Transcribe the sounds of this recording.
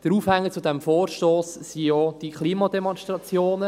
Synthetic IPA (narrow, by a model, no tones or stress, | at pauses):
d̥əɾuːfhɛŋːət͡sudɛmfoːɾʃtoːsːijod̥ikχliːmɑdɛmɔnʃtɾɑt͡sjoːnə